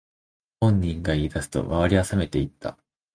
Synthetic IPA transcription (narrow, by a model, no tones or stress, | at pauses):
hõ̞ɲ̟ːĩŋɡaiid̪asɨ̥t̪o̞̰maβaɾʲiasame̞t̪e̞it̪ʰːa̰